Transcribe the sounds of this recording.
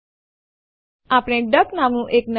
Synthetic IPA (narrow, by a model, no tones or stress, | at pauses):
aːpɽeɖəknaːmnũʔeːkn